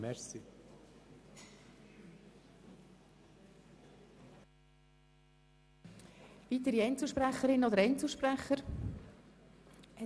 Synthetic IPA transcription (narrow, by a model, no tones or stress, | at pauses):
mɛsi | vit̪əɾiɛnt͡səʃpræχːəɾɪnod̪əɾɛnt͡suʃpræχːəɾ